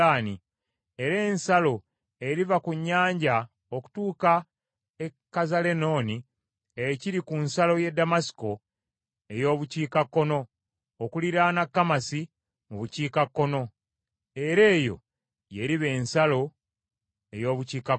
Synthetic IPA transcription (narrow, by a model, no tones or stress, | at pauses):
aːni | e̞ɾe̞ːnsalo̞ | e̞ɾivakuɲːaːɲɟa | oku̥tuːka | ekːazale̞no̞ːni | eciɾikunsalo̞je̞dːamasi̥ko̞ | e̞jo̞ːβuciːkakːo̞no̞ː | kuliɾanakːamasi | muβuciːkakːo̞no̞ | e̞ɾe̞ːjo̞̰ | je̞ɾiβe̞ːnsalo̞ | e̞jo̞ːβuciːka